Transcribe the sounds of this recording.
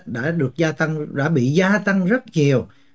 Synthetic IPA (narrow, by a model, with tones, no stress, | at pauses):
ɗa̰ː˧˥ɗɨ˨˩ək̚zaː˧t̪a˧ŋɗa̰ː˧˥ɓḭ˧˨zaː˧t̪a˧ŋzə˦˥t̚ɲi˨˩əw